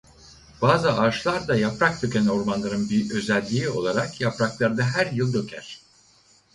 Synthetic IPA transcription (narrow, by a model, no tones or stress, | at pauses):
b̥aːzɯaːʃlˠaɾd̪ajapɾak̚d̪ʰø̞cʲænoɾmanlˠaɾɯnbiø̞zælʲːiio̞̰lˠaɾakʰjapɾaklˠaɾd̪aɦæɾjɯlˠd̪ø̞cʰæ̰ɾ̥